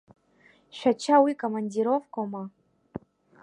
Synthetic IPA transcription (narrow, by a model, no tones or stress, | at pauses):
ʃᶣat͡ʃʰawikʼomandiɾofkʰʼoma